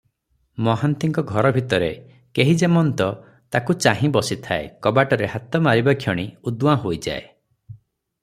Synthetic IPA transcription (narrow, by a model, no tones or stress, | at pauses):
mɔɦant̪iŋkɔɡʱɔɾɔbʱit̪ɔɾe | keɦid͡ʒemɔnt̪ɔ | t̪akut͡ʃaɦĩbɔsit̪ʰaḛkɔbaʈɔɾehat̪ɔmaɾibakʰjɔɽ̃iud̪uwãɦojd͡ʒa̰ḛ